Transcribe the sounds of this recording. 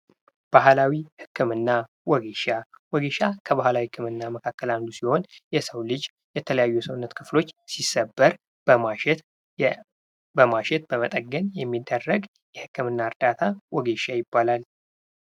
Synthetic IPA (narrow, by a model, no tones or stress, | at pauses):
b̥ahlawihɨkːɨmɨnːa | wɔɡeʃa | wɔɡeʃakʰəβahlawihkʰːɨmɨnːaməkʰakːəland̪usiho̞njɛsəwlɨd͡ʒ | jɛt̪ʰələjajːujɛsəwnːət̪kʰɨflo̞t͡ʃːsisːəbːəɾ | əmaɛ | bəmaʃɛt̪̚b̥əmət̪ʼəɡənjɛmːid̪ːərːəɡ | jɛhɨkːɨmɨnːaɨɾd̪at̪ʰawɔɡeʃajɪbːalal